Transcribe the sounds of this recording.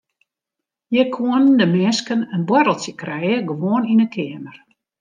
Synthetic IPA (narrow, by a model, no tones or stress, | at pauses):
jəkʰuənndəmɪskənənbwɔɾəlˠtjəkrɛjəɡəʋoəninəkʰɪəmər